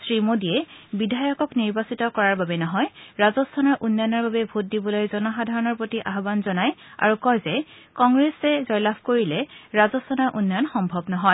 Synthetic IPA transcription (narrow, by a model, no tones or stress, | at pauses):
sɹimodiɛbidʱajɔkɔkniɹbasitɔkɔɹaɹbabɛnɔɦɔjɹazɔstʰanɔɹʔunːanɔɹbabɛbʱut̚dibɔlojzɔnɔxadʱaɹɔnɔɹpɹotiʔaɦɔbanzɔnaja̰ɹukɔjzɛ | kɔŋɡɹesɛzɔjlabʰʱkoɹilɛɹazɔstʰanɔɹʔunːɔjɔnxɔmbʱɔbnɔɦɔj